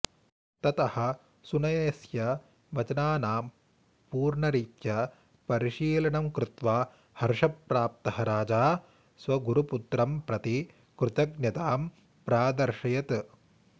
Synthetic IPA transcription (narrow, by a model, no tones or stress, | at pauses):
t̪ɐt̪ɐhɐ̆ | sunɐjɐsjɐ | ʋɐt͡ʃɐnaːnaːm | puːɾɳɐɾiːkjɐ | pɐɾiʃiːlɐɳɐmkɾɪt̪ʋaː | hɐɾʂɐpɾaːp̚t̪ɐhɐɾaːd͡ʒaː | sʋɐɡuɾuput̪ɾɐmpɾɐt̪i | kɾɪt̪ɐɡnjɐt̪aːm | pɾaːd̪ɐɾʂɐjɐt̪